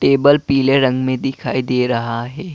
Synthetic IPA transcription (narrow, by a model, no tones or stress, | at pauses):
ʈeːbəlpiːleɾɐ̃ŋɡmẽd̪ɪkʰaːid̪eːɾɐɦaɦɛː